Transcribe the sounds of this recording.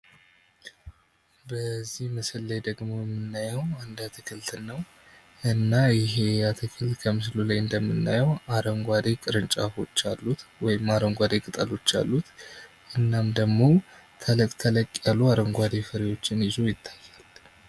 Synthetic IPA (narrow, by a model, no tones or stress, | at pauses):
bəzːihmɨsɨlːajd̪əɡmo̞jɛmːɨnːajəwand̪at̪ʰɨkʰɨlt̪ʰnːəw | ʔɨnːajɪɦe̞jat̪ʰɨkʰɨlt̪kʰəmɨslulajɨnd̪əmːɨnːajəwaɾəŋɡʷad̪ekʼɨɾɨnt͡ʃʼafo̞t͡ʃːalːut̪wɔjɪmːaɾəŋɡʷad̪ekʼɨt̪ʼəlo̞t͡ʃːa̰lːut̪ | ʔɨnːamd̪əɡmo̞ | t̪ʰələkʼt̪ʰələkʼːjaluaɾəŋɡʷad̪efəɾewo̞t͡ʃːɪnjɪzo̞jɪt̪ʰːḁjːal